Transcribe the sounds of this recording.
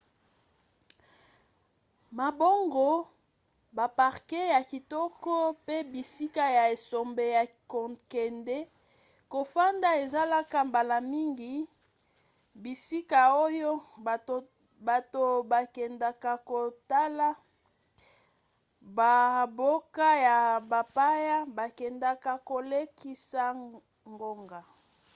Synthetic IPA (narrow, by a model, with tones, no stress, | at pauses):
ma˨bo˦ŋɡo˨ | ba˨pa˨ʁkɛ˦ja˨ki˨tɔ˦kɔ˦pe˦bi˨si˦ka˦ja˨e˨so˨mbe˨ja˨ | ko˨kɛ˨ndɛ˦ | ko˨fa˦nda˦e˨za˦la˦ka˦mba˨la˨mi˦ŋɡi˨ | bi˨si˦ka˨o˦jo˦˨ | ba˨to˨ba˨kɛ˨nda˨ka˨ko˨ta˦la˦ | ba˨bo˦ka˦ja˨ba˨pa˦ja˦ba˨kɛ˨nda˨ka˨ko˨le˦ki˦sa˦ | ŋɡo˦ŋɡa˨